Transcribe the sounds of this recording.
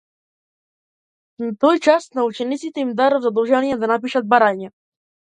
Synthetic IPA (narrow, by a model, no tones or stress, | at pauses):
nat̪ɔjt͡ʃasnaut͡ʃɛnit̪sit̪ɛimd̪aɾɔvzad̪ɔlˠʒaiɛd̪anapiʃad̪̚baɾaɲɛ